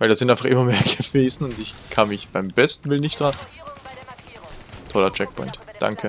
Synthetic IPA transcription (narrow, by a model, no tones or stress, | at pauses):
vaɪldaːzɪntʔaɪnfaχʔɪmɐmeːɐɡ̥əv̥eːzn̩ʊntɪçkʰanmɪçb̥aɪmb̥ɛstn̩vɪlnɪçtd̥ʁan | tʰɔlɐt͡ʃɛk̚pʰɔ̰ʏntd̥a̰ŋkʰə